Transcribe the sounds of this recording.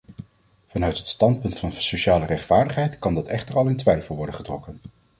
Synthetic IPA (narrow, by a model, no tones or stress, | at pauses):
vɑnœɥtɦətstɑntpɵntfɑnsoʃaːlərɛχtfaːɹdəχɦɛjtkɑndɑtɛχtərɑlˠɪntʋɛjfəlˠʋɔɹdənχətrɔkən